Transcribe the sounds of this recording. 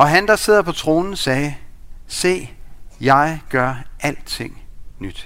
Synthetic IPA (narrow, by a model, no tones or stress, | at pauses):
ɒ̽ɦænd̥ɑ̈se̝ð̰ˠɐpʰɒ̽t͡sʰʁo̝ːnn̩sɛːse̝̰ːjɑ̈ɪɡ̥ɶɐʔæl̰d̥̚t͡sʰe̝ŋ̰nyd̥